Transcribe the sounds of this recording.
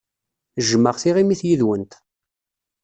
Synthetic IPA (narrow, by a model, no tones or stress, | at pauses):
ʒəmːəʁθiʁimiθjiðwənt̪